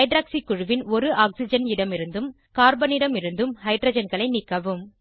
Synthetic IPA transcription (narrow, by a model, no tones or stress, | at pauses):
ɐɪɖɾaːksikːʊɻɯʋɪnɔɾɯʔaːksɪd͡ʒɐnɪɽɐmɪɾɯnd̪ɯm | kaːɾbɐnɪɽɐmɪɾɯnd̪ɯmhɐɪɖɾɐːd͡ʒɐnɡɐɭɐɪnɪkːɐʋɯm